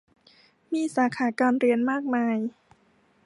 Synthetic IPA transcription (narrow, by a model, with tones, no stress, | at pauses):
miː˧˥saː˩˦kʰaː˩˦kaː˧nɾi˧ənmaː˥˩k̚maː˧j